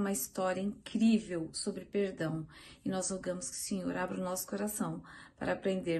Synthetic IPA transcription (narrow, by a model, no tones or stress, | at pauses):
ũmɐist̪ɔɾiɐĩŋkɾivewsobɾɪpeɾd̪ɐ̃w̃ɪnɔzloɡɐ̃mʊskɪʊ̥sẽɲoɾabɾɪʊnɔsʊ̥koɾasɐ̃w̃pa̰ɾɐapɾẽnd̪eɾ